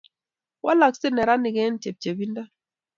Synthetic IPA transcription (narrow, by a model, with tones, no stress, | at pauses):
wa˦la˨ksɪ˦nɛ˨ɾa˦nɪ˨ɡɛ˦n˦te˨p̚t͡ʃe˨bi˦nda˦